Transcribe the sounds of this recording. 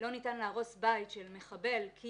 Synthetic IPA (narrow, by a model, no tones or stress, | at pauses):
lo̞nitanleaʁo̞sbajtʃelmeχabe̞lkʰi